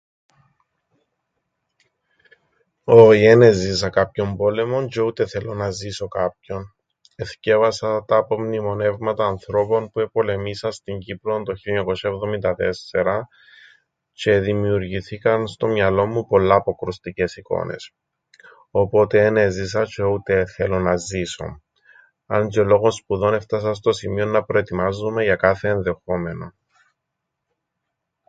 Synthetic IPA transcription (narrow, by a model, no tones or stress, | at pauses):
o̞ienezis̬ɐkɐpço̞mbo̞le̞mo̞nt͡ʃeut̪e̞θe̞lo̞nɐziso̞kɐp̚ço̞n | e̞θce̞vɐsɐt̪ɐpo̞mnimo̞ne̞vmɐt̪ɐːnθɾo̞po̞npue̞po̞le̞misɐst̪iɲɟiplo̞nt̪o̞çiloɲɐko̞sɐevðo̞mind̪ɐt̪e̞sːe̞ɾɐ | t͡ʃe̞ðimiuɾʝiθikɐnst̪o̞mɲɐlo̞mːupo̞lːɐːpo̞kɾost̪ice̞siko̞̰ne̞̰s | opo̞t̪eːnezis̬ɐt͡ʃeut̪e̞θe̞lo̞nɐziso̞̰ | ɐnd͡ʒolo̞ɣonspuðo̞ne̞ft̪ɐs̬ɐs̬t̪o̞simio̞nːɐpɾo̞et̪imɐzume̞ʝɐkɐθe̞ːnðe̞xo̞me̞no̞